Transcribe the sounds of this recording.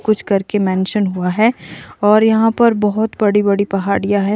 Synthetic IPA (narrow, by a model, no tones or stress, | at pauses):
kʊt͡ʃʰkɐɾkemɛ̃ːnʃənɦuaɦɛːɔːɾjɐɦãpɐɾbɐɦʊt̪bɐɽibɐɽipɐɦaːɽijaɦɛ